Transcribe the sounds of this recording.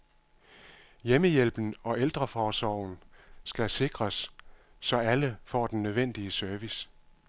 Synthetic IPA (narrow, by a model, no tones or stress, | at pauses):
jeməjel̰b̥n̩ɒ̽ʔeld̥ʁɐfɒːsɒ̰ʊ̰n̩sɡ̥æse̝ɡ̥ʁɐsː | ɒ̽æləfɒ̰ːd̥enːøð̞ˠʋen̰d̥iəsœɐʋis